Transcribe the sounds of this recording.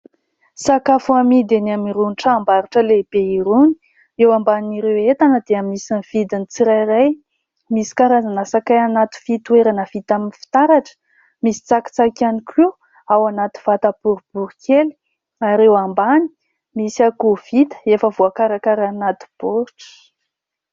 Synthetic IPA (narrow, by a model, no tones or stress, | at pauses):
sakafuamid̪enamiɾuniʈ͡ʂaːmbaɾiʈ͡ʂəleb̥eiɾuni̥ | ewambaniɾewet̪anəd̪eamisaniv̥id̪init͡siɾajraj | misi̥kaɾazanəsakajanat̪u̥fit̪ueɾanəvit̪aminifi̥t̪aɾaʈ͡ʂə̥ | misi̥t͡saki̥t͡sakanikʰi | awanat̪i̥v̥at̪ab̥uɾub̥uɾukʰeli̥ | aɾewambani̥ | misiakuv̥it̪ə̥efəvuakaɾakaɾanat̪i̥b̥uɾʈ͡ʂə̥